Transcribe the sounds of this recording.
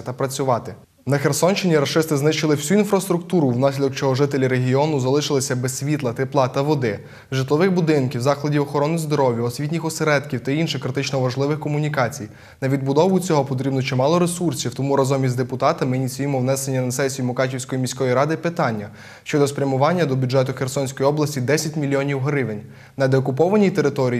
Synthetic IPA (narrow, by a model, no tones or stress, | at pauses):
t̪ɐpɾɐt͡sʲʊʋɑt̪ɪ | nɐxersɔnt͡ʃɪnʲiɾɐʃɪst̪ɪznɪʃt͡ʃɪlˠɪwsʲuinfɾɐst̪ɾʊk̚t̪uɾʊwnɑsʲlʲɐd̪ɔkt͡ʃɔɦɔʒɪt̪elʲiɾeɦʲiɔnʊzɐlˠɪʃɪlˠɪsʲɐbesʲʋʲit̪lˠɐt̪eplˠɑt̪ɐʋɔd̪ɪ | ʒɪt̪lˠɔʋɪxbʊd̪ɪnkʲiwzɑxlˠɐdʲiwɔxɔɾɔnɪjzd̪ɔɾɔʋʲjiɔsʲʋʲitʲnʲixɔseɾɛd̪kʲiwt̪ɐinʃɪxkɾɪt̪ɪt͡ʃnɔʋɐʒlˠɪʋɪxkɔmʊnʲikɑt͡sʲij | nɐʋʲid̪̚bʊd̪ɔʋʊt͡sʲɔɦɔpɔt̪ɾʲibnɔt͡ʃɪmɑlˠɔɾesursʲiwt̪ɔmuɾɐzɔmʲizʲd̪epʊt̪ɑt̪ɐmɪinʲit̪sʲujimɔwnɛsenʲːɐnɐsɛsʲijimɔkɑtʲiwsʲkɔjimʲisʲkɔjiɾɑd̪ɪpɪt̪ɑnʲːɐ | ʃt͡ʃɔd̪ɔspɾʲɐmʊʋɑnʲːɐd̪ɔbʲudd͡ʒɛt̪ʊxersɔnʲsʲkɔjiɔblˠɐsʲtʲid̪ɛsʲɐtʲmʲilʲijɔnʲiwɦɾɪʋenʲ | nɐd̪eɔkʊpɔʋɐnʲijt̪e̞ɾɪt̪ɔɾʲi